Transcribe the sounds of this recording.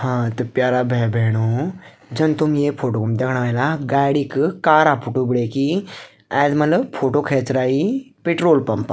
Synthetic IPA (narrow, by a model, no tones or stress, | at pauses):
hãt̪əpjaɾabʱebʱeɽ̃o | d͡ʒənt̪umjefʰoʈokumd̪ekʰɽaʋajlaɡajɽiːkkaːɾapuʈubiɽeki | ad̪mələpʰoʈokʰet͡sɾaipeʈɾoːlpɐmpa